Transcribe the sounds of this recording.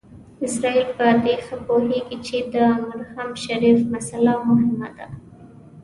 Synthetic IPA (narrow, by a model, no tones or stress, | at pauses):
ɪsɾɑilpəd̪exapoheɡit͡ʃed̪əmʊɾhamʃaɾifmasalamʊɦɪmad̪a